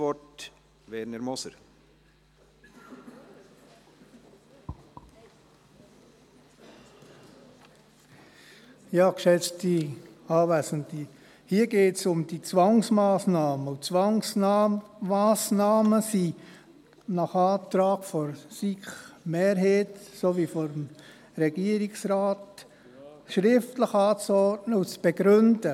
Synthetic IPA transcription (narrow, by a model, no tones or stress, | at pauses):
ɔt | ʋɛɾnəɾmɔsəɾ | jɑːkʃɛt͡stiɑːvæsən̩ti | hiːəɡeːtsʊmd̥it͡sʋɑŋsmɑːsnɑːməʊt͡sʋɑŋs | maːsnɑːməsi | nɑχɑːt̪ɾɑːɡ̥fɔɾsiχmeːɾɦeːtsoʋifɔɾm | ɾɛɡ̥iəɾiksɾɑːt | ʃɾɪftləχɑːt͡sɔɾtnəut͡sb̥ɛɡɾʏnd̥ə